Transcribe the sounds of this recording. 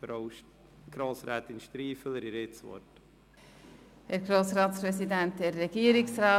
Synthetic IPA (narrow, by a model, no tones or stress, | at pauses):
ɾoʊ | ɡ̥ɾoːsɾɛːt̪ɪnʃt̪ɾiːfələɾɪɾet͡sʋɔ̰ɾt | hɛɾɡɾoːsɾɑːtspɾɛsidænt̚d̥ɛɾːɛɡ̥iːəɾɪksrɑː